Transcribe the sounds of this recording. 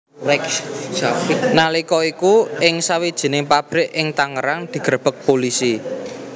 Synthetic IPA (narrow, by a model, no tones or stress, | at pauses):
rɛkafnalikɔikuɪŋsawid̥ʒ̥i̤neŋpab̥ɾɪʔɪŋt̪aŋəɾaŋd̪̥i̤ɡ̥ɾəb̥ək̚polisi